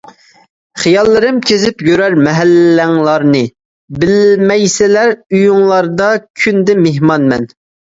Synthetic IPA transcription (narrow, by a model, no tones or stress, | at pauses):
χijɑlˠːɨɾɨmkʲʰezɪpjøɾæɾmɛɦælːæŋlˠɑɾnɨ | bɪlmɛjsɪlæɾyjuŋlˠɑɾd̪ɑkʲʰynd̪ɛmeɦmɑnmɛn